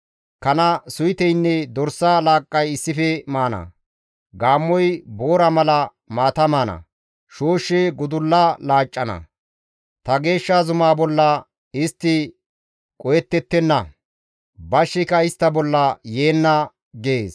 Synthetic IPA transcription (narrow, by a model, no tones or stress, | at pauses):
kɐnɐsʊjɪt̪ɛjnːɛd̪ɔɾsːalaːkʼːɐjɪsːɪfɛmaːnɐ̰ | ɡaːmːɔjboːɾɐmɐlɐ | maːt̪ɐmaːnɐ̰ | ʃoːʃːɛɡʊd̪ʊlːɐlaːt͡ʃʼːɐnɐ̰ | t̪ɐɡe̞ːʃːazʊmaːbɔlːɐ | ɪst̪ːɪ | kʼɔjɛt̪ːɛt̪ːɛnːɐ | bɐʃːɪkɐɪst̪ːɐbɔlːɐjeːnːɐ | ɡeːs